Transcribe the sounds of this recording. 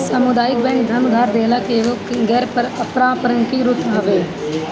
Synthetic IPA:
səmʊd̪aːɪk̚bɛ̃ːŋk̚d̪ʱənʊd̪ʱaːɾd̪eːlaːkeːʋokɡɛɾpəɾəpɾãːpəɾəŋkiːɾʊt̪aːʋeː

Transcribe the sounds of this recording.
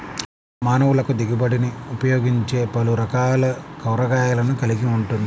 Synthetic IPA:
maːnɐʋulɐkud̪iɡibɐɽiniupɐjoːɡiɲt͡ʃe̞ːpɐluɾɐkaːlɐkɐwɾɐɡaːjɐlɐnukɐliɡiuɳʈund̪i

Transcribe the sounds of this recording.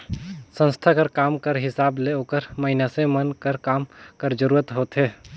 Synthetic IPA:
sə̃nst̪ʰakəɾkaːmkəɾɦɪsaːbleoːkəɾməɦɪnasẽmənkəɾkaːmkəɾd͡ʒəɾuːɾət̪ɦoːt̪ɦeː

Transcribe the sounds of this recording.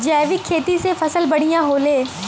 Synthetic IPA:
d͡ʒɛːʋɪkʰːeːt̪isefɐsəlbɐɽ̤ijãɦoːleː

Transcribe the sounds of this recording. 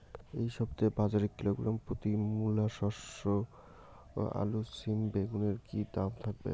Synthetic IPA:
ejʃɔbt̪ebad͡ʑaɾikːiloɡɾampɾot̪imulːaʃɔʃo | a̰lusimbeɡuneɾkid̪amt̪ʰak̚bḛ

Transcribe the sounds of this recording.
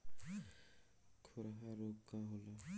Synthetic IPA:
kʰoɾɦaɾokːaɦola

